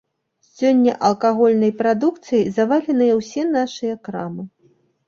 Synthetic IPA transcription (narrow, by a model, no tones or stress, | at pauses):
sʲɔnʲːɐ̰ʔɐlˠkaɣɔlʲnɐjpɾad̪ukt̪sɨjizavalʲɛnɨjɐwsʲɛnaʂɨjɐkɾamɨ